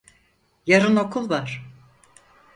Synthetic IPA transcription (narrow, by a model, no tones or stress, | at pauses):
jaɾɯno̞kʰulˠvaɾ̥